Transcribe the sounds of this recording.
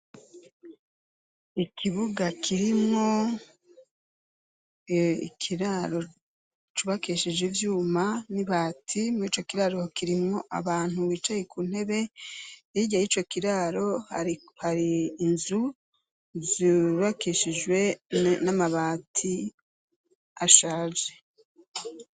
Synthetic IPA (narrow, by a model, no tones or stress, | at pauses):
ikʰiβuɡakʰiɾimŋo̞ | ḭkʰiɾaɾo̞ | t͡ʃuβakiʃid͡ʒwivjuːmaniβaːtʰimiːt͡ʃo̞kiɾaɾo̞kiɾimŋo̞ʔa̰βaːn̥huwiːt͡ʃajekun̥he̞βe̞ɾiɟajit͡ʃo̞kiɾaɾo̞haɾi | haɾiːnzu | zuβakiʃid͡ʒwe̞namaβaːtʰi | aʃaːʒe